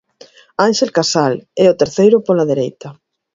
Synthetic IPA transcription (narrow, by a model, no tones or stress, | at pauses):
anʃelkasalɛʊt̪eɾθejɾʊpolaðeɾejt̪ɐ